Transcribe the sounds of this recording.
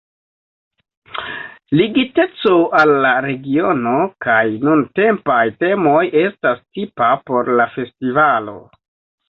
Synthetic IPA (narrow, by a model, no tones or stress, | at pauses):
liɡite̞t͡so̞ʔalːaɾe̞ɡio̞no̞kajnunte̞mpajte̞mo̞je̞stastipapo̞ɾlafe̞stivalo̞̰